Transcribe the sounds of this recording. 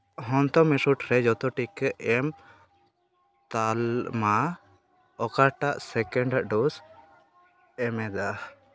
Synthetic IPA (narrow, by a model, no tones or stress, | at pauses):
ɦɔnt̪ɔmɛsuʈɾɛd͡ʒɔt̪ɔʈikəɛm | t̪alma | ɔkaʈaʔsɛkɛɳɖaʔɖɔs | ɛmɛd̪a